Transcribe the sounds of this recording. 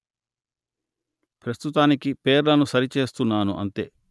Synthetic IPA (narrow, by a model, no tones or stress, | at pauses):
pɾɐst̪ut̪aːnikipeːɾlɐnusɐɾit͡ʃe̞ːst̪unːaːnuʔɐ̰nt̪e̞̰ː